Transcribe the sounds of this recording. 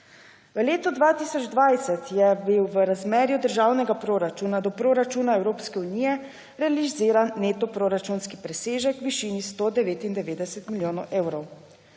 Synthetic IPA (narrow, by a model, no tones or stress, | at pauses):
ʋəleːt̪ɔd̪ʋaːt̪isɔd͡ʒd̪ʋajsɛt̪jɛbiwʋəɾazmeːɾjud̪əɾʒaːwnɛɡapɾoːɾat͡ʃunad̪ɔpɾoːɾat͡ʃuːnaɛwɾoːpskɛunijɛ | ɾɛaliziːɾanːeːt̪ɔpɾoɾat͡ʃunskipɾɛseːʒɛkʋiʃiːnist̪oːd̪ɛʋeːt̪ind̪ɛʋeːd̪ɛsɛt̪miljoːnɔwʔeːwɾɔw